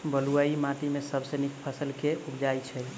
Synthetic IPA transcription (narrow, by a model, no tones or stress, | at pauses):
bəluaimãt̪imesəbsənikpʰəsəlkeupd͡ʒajt͡ʃʰɛ